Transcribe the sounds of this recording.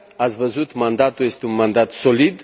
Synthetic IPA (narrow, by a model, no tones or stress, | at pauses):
at̪sʲvəzut̪mand̪at̪uljest̪eunmand̪at̪solid̪